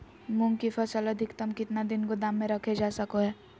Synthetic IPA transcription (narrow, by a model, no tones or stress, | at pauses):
mʊ̃ŋɡkifɐsɐləd̪ʱɪkt̪ɐmkɪt̪nad̪ɪnkod̪aːmːẽɾɐkʰed͡ʒaːsɐkoɦɛː